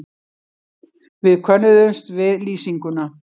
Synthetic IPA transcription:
vɪðkʰœnʏðʏnst̪vɪðliːsiŋkʏna

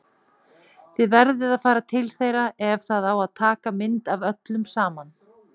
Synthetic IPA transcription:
θɪðvɛɾðɪðaðfaːɾat̪ʰɪlθejɾaɛvθaðawaðt̪ʰaːkamɪnt̪avœt̪lʏmsaːman

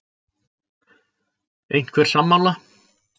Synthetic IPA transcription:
ejɲn̥kʰvɛːɾ̥samːala

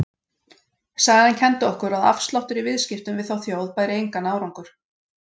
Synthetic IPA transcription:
saːɣðancʰɛnt̪ʏɔhkʏɾaða̰fst̪lawht̪ʏɾivɪðscɪft̪ʏmvɪðθawθjoːwðpaːjɾɪejŋkanaːwɾaŋkʏɾ̥

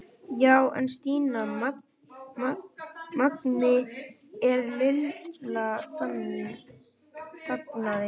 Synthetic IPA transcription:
jawɛ̰nst̪iːna | maknɪ | ɛɾmɪlt̪laθa | θaknaðɪ

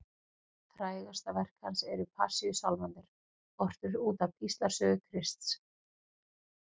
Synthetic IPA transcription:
θɾaːjɣast̪avɛr̥khansɛɾʏpʰa̰siʏsawlmant̪ɪɾ̥ | ɔr̥t̪ʏɾuːt̪avist̪laɾ̥sœːɣʏkʰɾɪst̪s

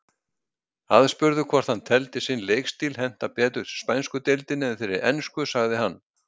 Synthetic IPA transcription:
aðspʏɾðʏkʰvɔɾ̥t̪hanːt̪ʰɛlt̪ɪsɪnleːjkst̪iːlhɛn̥t̪apɛːt̪ʏspajnskʏt̪ɛlt̪ɪnːɪɛθfɪɾɪɾʔɛnskʏsaɣðɪhanː

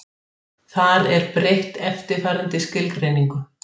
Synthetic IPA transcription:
θaðɛɾpɾeht̪ɛft̪ɪ̥faːɾant̪ɪscɪlkɾejniŋkʏ

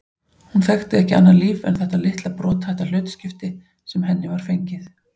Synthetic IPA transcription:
hunθɛxt̪ɪɛhcɪanːaðliːvɛ̰nθɛht̪alɪht̪lapɾɔːt̪θɛht̪al̥ʏːt̪scɪft̪ɪ | sɛmɦɛnːɪvaɾ̥fejɲcɪθ

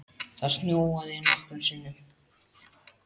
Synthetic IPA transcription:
θað̥snjoːwaðɪɛnaht̪ʏnsɪnːʏ

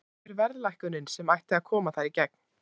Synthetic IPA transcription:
ɾvɛɾðlajhkʏnɪnsɛmajht̪ɪaðkʰɔːmaθaɾicɛk̚n̥

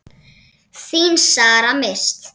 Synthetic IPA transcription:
sinʃaːɾamest̪

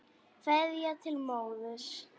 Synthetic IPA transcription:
fɛðjat̪ʰɪlmoːwðʏɾ̥

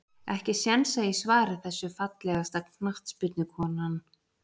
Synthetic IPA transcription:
ɛhcɪsjɛnsaisvaːɾɪθɛsːʏfat̪lɛɣast̪akʰnaht̪spʏt̪nɪkʰɔːnan

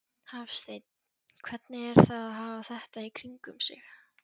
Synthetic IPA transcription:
havst̪ejt̪ | kʰvɛt̪nɪɛɾ̥θaðaɦaːvaθɛht̪aikʰɾiŋkʏmsɪ̰x

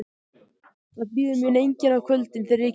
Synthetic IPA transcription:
aðpiːðʏmjɪnejɲcɪnawkʰœlt̪ɪnθɪɾɪɾɛc

